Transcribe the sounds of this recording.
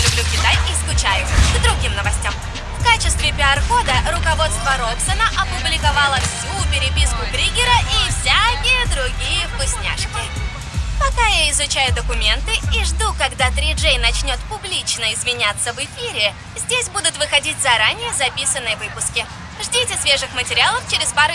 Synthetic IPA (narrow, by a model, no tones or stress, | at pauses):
lʲʊblʲukʲɪt̪ajiskʊt͡ɕæjʊɡd̪ɾʊɡʲimnəvɐsʲtʲam | fkat͡ɕɪst̪vʲɪpʲɪɐrxo̞d̪əɾʊkɐvo̞t̪st̪vəɾopsənəʔɐpʊblʲɪkɐvɑlˠəfsʲupʲɪɾʲɪpʲiskʊbɾʲiɡʲɪɾəʔifsʲakʲɪjəd̪ɾʊɡʲijəkʊsʲnʲa̰ʂkʲɪ | pɐkajaɪzʊt͡ɕæjʊd̪əkʊmʲe̞nt̪ɨiʐd̪ukɐɡd̪at̪ɾʲɪʐejnɐt͡ɕnʲo̞t̪pʊblʲit͡ɕnəɪzvʲɪnʲat̪sːəvɪfʲiɾʲɪ | zʲdʲesʲbud̪ʊt̪vɨxɐdʲitʲzɐɾanʲɪjəzɐpʲisənːɨjəvɨpʊskʲɪ | ʐdʲitʲɪsʲvʲe̞ʐɨxmətʲɪɾʲɪalˠəft͡ɕɪɾʲɪspaɾʊ